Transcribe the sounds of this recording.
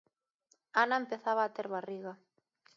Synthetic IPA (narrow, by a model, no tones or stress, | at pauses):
anaempeθaβaːt̪eɾβariɣa